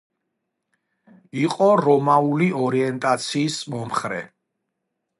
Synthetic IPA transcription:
iqʼɔɾɔmauliɔɾiɛnt̪ʼat̪sʰiːsmɔmχɾɛ̰

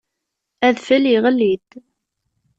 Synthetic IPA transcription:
æðfæliʁəlːid̪

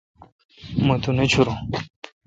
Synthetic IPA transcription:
mɐt̪unet͡ɕʰuɾo

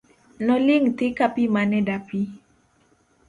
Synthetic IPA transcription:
nɔlɪŋt̪ɪkapimanɛdapi

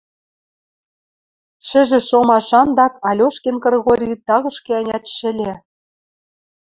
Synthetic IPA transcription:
ʃɘ̆ʒɘ̆ʃomɑʃɑnd̪ɑkɑlʲoʃkenkɤ̆rɣoɾʲit̪ɑɣɤ̆ʃkʲeɑnʲɑt̪ʃɘ̆lʲe

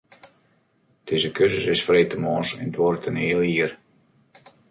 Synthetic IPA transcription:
d̥ezəkʰøzəsɪsfreːtəmɔːnsɛ̰ndʋorətʰəniːəlˠiər

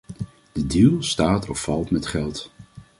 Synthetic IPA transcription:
d̥ədilˠstaːtʰɔfɑlˠtmɛtχɛlˠt

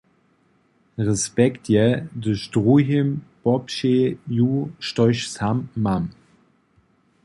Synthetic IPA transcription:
ʁɛspɛktjɛdəʃd̥ʁuɦimb̥ɔpʃejuʃtɔʏʃsamːam

